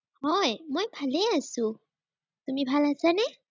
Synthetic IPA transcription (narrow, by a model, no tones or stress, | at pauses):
hojmʌjbʱaleasu | t̪umibʱalat͡sʰane